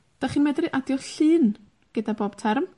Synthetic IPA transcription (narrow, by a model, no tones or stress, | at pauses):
d̥aχiːnmɛdrɨʔadjɔɬɨːn | ɡ̥ədaboːb̥tʰɛrm